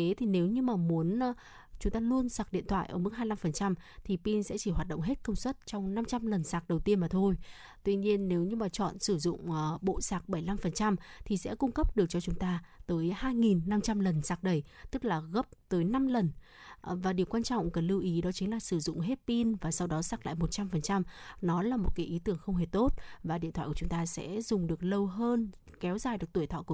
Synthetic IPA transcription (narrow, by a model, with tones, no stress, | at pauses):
e˨˦t̪ʰi˨˩ne˨˦wɲɨ˧maː˨˩mu˨˦ənː˧ | t͡ɕʊ˨˦ŋ͡mt̪aː˧lu˧ənsaː˨˩k̚ɗḭ˧˨ənt̪ʰwa̰ː˧˨ʔəː˧˩mɨ˦˥k̚haː˧jla˧mfə˨˩nt͡ɕa˧mt̪ʰi˨˩pi˧nsɛ̰˧˥t͡ɕi˧˩ɦwaː˨˩t̚ɗə̰˧˨ŋ͡mɦe˦˥t̚kə˧wŋ͡mswə˦˥t̚t͡ɕɔ˧wŋ͡mna˧mt͡ɕa˧mlə˨˩nsaː˨˩k̚ɗə˨˩wt̪i˧ənmaː˨˩t̪ʰo˧j | t̪wi˧ɲi˧ənːe˨˦wɲɨ˧maː˨˩t͡ɕɔ̰˧˨nsɨ˧˩zʊ̰˧˨ŋ͡mːɓo̰˧˨saː˨˩k̚ɓə˧˩jla˧mfə˨˩nt͡ɕa˧mt̪ʰi˨˩sɛ̰˧˥kʊ˧ŋ͡mkə˦˥p̚ɗɨ˨˩ək̚t͡ɕɔ˧t͡ɕʊ˨˦ŋ͡mt̪aː˧t̪əː˨˦jhaː˧jŋi˨˩nːa˧mt͡ɕa˧mlə˨˩nsaː˨˦˩k̚ɗə˨˧˩jt̪ɨ˦˥k̚laː˨˩ɣə˦˥p̚t̪əː˨˦jna˧mlə˨˩n | vaː˨˩ɗi˨˩əwkwaː˧nt͡ɕɔ̰˧˨wŋ͡mkə˨˧˩nlɨ˧wʔi˨˦ɗɔ˨˦t͡ɕi˨˦ŋlaː˨˩sɨ˧˩zʊ̰˧˨ŋ͡mɦe˦˥t̚pi˧nvaː˨˩sa˧wɗɔ˨˦saː˦˥k̚la̰ː˧˨jmo˨˩t̚t͡ɕa˧mfə˨˩nt͡ɕa˧mnɔ˨˦laː˨˩mo˨˩t̚kaː˨˦jʔi˨˦t̪ɨ˧˩əŋxə˧wŋ͡mɦe˧˩t̪o˦˥t̚vaː˨˩ɗḭ˧˨nt̪ʰwaː˧˨kt͡ɕʊ˨˦ŋ͡mt̪aː˧sɛ̰˧˥zʊ˨˩ŋ͡mɗɨ˨˩ək̚lə˧wɦəː˧n | kɛ˨˦wzaː˨˩jɗək̚t̪u˧˩t̪ʰɔ̰˧˨ku˧˩